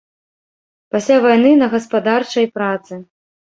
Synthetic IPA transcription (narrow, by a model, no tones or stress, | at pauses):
pasʲlʲavajnɨnɐɣɐspad̪art͡ʂɐjpɾat̪sɨ